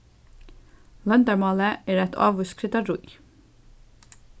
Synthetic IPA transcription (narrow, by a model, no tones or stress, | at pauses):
lœnd̪əɹmɑːləeːɾæt̪ʰɑ̰ːʋʉskʰɾɪt̪ɑɾuj